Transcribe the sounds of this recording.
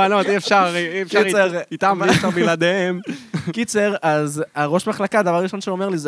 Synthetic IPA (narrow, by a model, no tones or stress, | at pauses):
anot̪iefʃaʁifkait͡seʁit̪amiʃaʁbilad̪eemkit͡seʁazaʁo̞ʃmaχlakad̪avaʁaʁiʃo̞nʃeome̞ʁliz